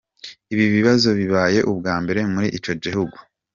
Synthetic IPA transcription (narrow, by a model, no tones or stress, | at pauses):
iβiβiβazo̞βiβaːje̞ʔub̚ɡaːmbe̞ɾe̞muɾiʔit͡ʃo̞ɟihuɡu